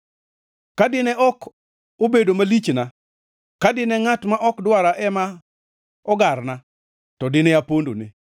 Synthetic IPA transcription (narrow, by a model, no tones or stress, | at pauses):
kadɪnɛʔɔk | obedomalit͡ʃna | kadɪnɛŋatmaʔɔkdwaɾaʔɛma | ɔɡarna | tɔdɪnɛapondo̰nɪ